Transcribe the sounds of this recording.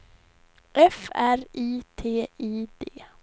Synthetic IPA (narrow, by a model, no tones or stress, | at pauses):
ʔɛfæɾiːt̪ʰeːiːd̪̥eː